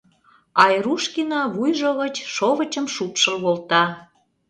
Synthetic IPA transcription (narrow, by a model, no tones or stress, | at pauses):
ɑjruʃkinɑβujʒəɣət͡ɕʃoβə̆t͡ɕə̆mʃut̪ʃə̆lβolt̪ɑ